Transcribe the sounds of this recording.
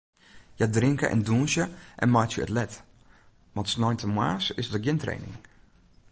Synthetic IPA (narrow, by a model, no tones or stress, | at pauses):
jadrɪŋkə̰ʔɛ̰nduːnsjəʔɛ̰nmajtjəə̰tlɛt | ʋɑntsnɔjntʰəmwa̰ːsɪsdəɡjɪntrḛːnɪ̰ŋ